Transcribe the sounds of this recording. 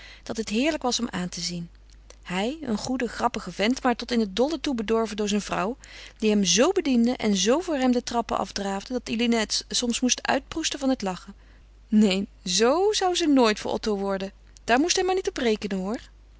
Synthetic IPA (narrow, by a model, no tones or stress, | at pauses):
d̥ɑtɦətɦɪːɹləkʋɑsɔmʔaːntəzin | hɛjə̰nχudəχrɑpəχəvɛntmaːɹtɔtɪnɦət̚dɔlˠətubədɔɹvəndʊːɹzɛjnvrʌ̰wd̥iɦɛmzowbədindəʔɛ̰nzowvʊːɹɦɛmdətrɑpə̰ʔɑ̰fdraːvdədɑtilinatsɔmsmustʔœ̰ɥt̚prustəvɑnɦətlɑχə | nej | zowzʌwzənoːjtfʊ̰ɹʔɔ̰towʋɔɹdə | d̥aːɹmustɦɛmaɹnitɔprejkənəɦʊːɹ